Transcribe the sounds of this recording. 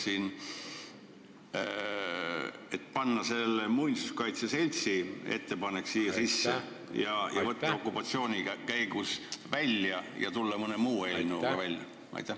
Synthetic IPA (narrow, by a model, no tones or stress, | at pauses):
sin | et̪pɑnːɑse̞lːemujnʲisu̥skɑjt̪sese̞lʲt̪sie̞̰t̪ːe̞pɑneksiːjɑsisːe | jɑjʔɑ̰vɤt̪ːɑo̞kˑːupɑt̪sio̞ːnʲikæjɡusvælʲjɑjɑ̰t̪ulːɑmɤnemuːelinuɡɑvælʲjɑ̰ | ɑ̰jt̪ːˑæ